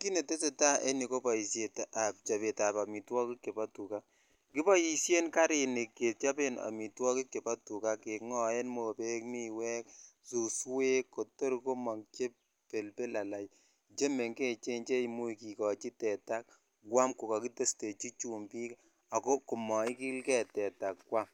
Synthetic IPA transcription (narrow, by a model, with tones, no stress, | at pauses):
ki˦ne˨te˦se˨ta˦ʔe˦ni˨ko˦pa˨i˨sje˨ta˨p̚t͡ʃa˨βe˨ta˨pa˨mi˨twɔ˦kɪ˦kːe˨pa˦tu˨ka˦ | ki˦pa˦ji˨sje˦nka˦ɾɪ˨ne˨kːe˨t̚t͡ʃa˦pe˦na̰˨mi˨twɔ˦kɪ˦kːe˨pa˦tu˨ka˦ke˨kŋɔ˦e˦nmo˨pe˦kmi˦wɛ˦ksu˨swe˦kːo˨to˦ɾko˦mɔ˨ŋt͡ʃe˦p | pe˨lpe˦la˨la˨j | t͡ʃe˦me˨ŋke˦t͡ʃe˦nt͡ʃe˦imu˦˨ki˨kɔ˨t͡ʃi˦tɛ˨ta˦k̚ | kwa˦mku˨ka˨ki˦te˦ste˨t͡ʃi˦t͡ʃu˨mpi˦k | a˨ko˦ku˨mɔ˨i˦ki˦lkɛ˦tɛ˨ta˨kːwa˦m